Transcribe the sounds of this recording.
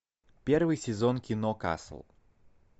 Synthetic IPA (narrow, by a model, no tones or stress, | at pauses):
pʲervɨjsʲɪzonkʲɪnoka̰slˠ